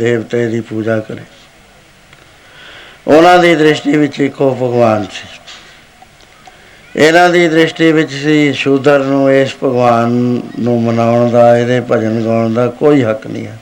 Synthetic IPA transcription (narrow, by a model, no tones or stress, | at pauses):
d̪eːbt̪eːd̪iːpuːd͡ʒaːkəɾeː | ʊnãːd̪iːd̪ɾɪʃʈiːʋɪt͡ʃɪkʰːoːpəɡʋaːnsi̥ː | ɪnãːd̪iːd̪ɾɪʃʈiːʋɪt͡ʃsiːʃʊd̪əɾnũːespəɡʋaːnːũːmənaːʊɳd̪aːɪd̪eːpəd͡ʒənɡaːɳd̪aːkoːiːɦəknḭ̃ːɛː